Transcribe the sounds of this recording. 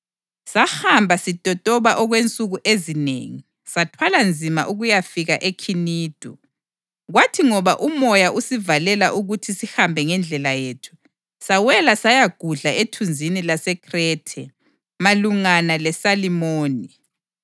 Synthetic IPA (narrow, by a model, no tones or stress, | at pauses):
sahambʱasitʼɔtʼɔβaʔɔɣwent͡sʼuɣuʔezinḛːŋi | satʰwaland͡zʱima̰ʔuɣujafiɣaʔekʰiniːd̥ʱu | ɣwatʰiŋɔβaʔumɔjaʔusivalɛlaʔuɣutʰisihambʱɛŋɛnd͡ɮʱɛlajeːtʰu̥ | sawɛlasajaɡ̥ʱuɮaetʰund͡zʱinilasɛkʰʼrɛːtʰɛ | maluŋanalɛsalimoːni